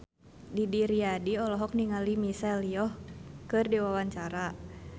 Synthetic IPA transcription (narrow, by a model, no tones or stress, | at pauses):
didiɾiadiɔlɔɦɔk̚niŋalimisɛliɔhkɨrdiwawaɲt͡ʃaɾa